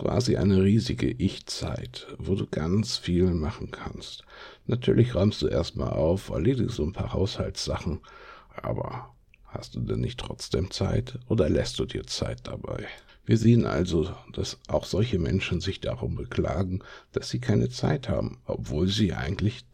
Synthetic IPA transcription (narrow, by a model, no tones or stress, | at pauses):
kv̥a̰ːziʔa̰ɪnəʁiːzɪɡəʔɪçt͡saɪtvoːduːɡant͡sfiːlmaχn̩kʰanstnatʰyːɐlɪçʁɔʏmstd̥uːʔeːɐstma̰ːlʔaʊfɛ̰ɐleːdɪɡzoːnpʰaːhaʊshaltsz̥aχn̩ʔa̰ːbɐ̰ | ha̰st̚d̥uːdɛnːɪçtʁ̥ɔt͡sd̥eːmt͡sa̰ɪtʔoːdɐlɛst̚d̥uːdiːɐt͡saɪt̚d̥aba̰ɪ | viːɐzeːənʔa̰lzod̥asʔaʊxz̥ɔlçəmɛ̰nʃn̩zɪçd̥aʁʊnbəkl̥aːɡŋ̩d̥asz̥iːkʰaɪnət͡sa̰ɪthaːbm̩ʔɔpv̥oːlziːʔa̰ɪɡŋ̩tlɪç